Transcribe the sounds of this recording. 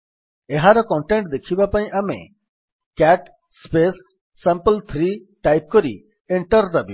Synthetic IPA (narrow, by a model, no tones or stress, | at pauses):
eɦaɾɔkɔ̃ɳʈẽɳʈ̚d̪ekʰibapaĩʔamḛ | kɛʈ | spesː | ɛ̃mpəlt̪ʰɾi | ʈajp̚kɔɾḭ | eɳʈəɾdabi